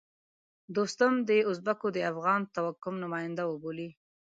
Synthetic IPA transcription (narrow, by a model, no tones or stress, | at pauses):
d̪ost̪amd̪əʊs̬bakod̪əafɣɑnt̪awakʊmnʊmɑjɪnd̪awəboli